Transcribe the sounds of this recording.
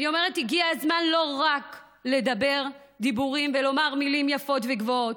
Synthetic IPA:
nio̞me̞ʁetiɡiaːzmanlo̞ʁak | le̞d̪abe̞ʁ | d̪ibuʁimvelo̞maʁmilimjafo̞tveɡvoot

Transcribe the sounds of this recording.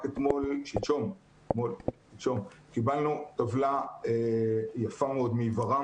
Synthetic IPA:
ket̪mo̞lʃit͡ʃo̞m | t̪molʃit͡ʃo̞mkibalnut̪avlaejafameo̞d̪mivaʁa

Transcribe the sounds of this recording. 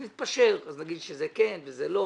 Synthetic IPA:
nit̪paʃeʁaznaɡid̪ʃezekenvezelo

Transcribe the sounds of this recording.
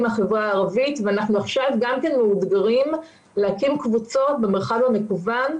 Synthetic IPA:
maχevʁaːʁavitveanaχnuaχʃavɡamkenmeudɡaʁim | lehakimkvut͡so̞be̞meʁχavame̞kuvan

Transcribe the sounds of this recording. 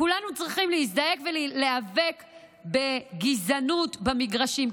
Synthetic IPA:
kulanut͡sʁiχimleis̬d̪aje̞kvelleave̞k | be̞ɡizanutbamiɡʁaʃim

